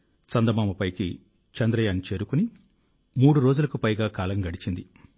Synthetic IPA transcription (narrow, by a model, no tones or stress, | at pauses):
sɐnd̪ɐmaːmɐpɐjkḭ | t͡ʃɐnd̪ɾɐjaːnt͡ʃe̞ːɾukuni | muːɽuɾo̞ːd͡ʒulɐkupɐjɡaːkaːlɐŋɡɐɽit͡ʃind̪i